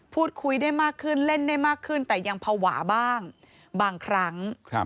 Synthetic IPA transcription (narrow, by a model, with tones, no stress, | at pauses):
pʰuː˥˩t̪̚kʰu˧jdaː˥˩jmaː˥˩kʰːɯ˥˩nle˥˩ndaː˥˩jmaː˥˩kʰːɯ˥˩nt̪ɛː˨˩ja˧ŋpʰa˧wa̰ː˩˦baː˥˩ŋ | baː˧ŋkʰɾa˦˥ŋʰ˧